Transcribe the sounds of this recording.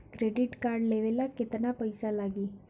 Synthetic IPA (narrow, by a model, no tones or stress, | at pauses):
kɾeɖɪʈkaɾɖleʋelaket̪napəjsalaɡiː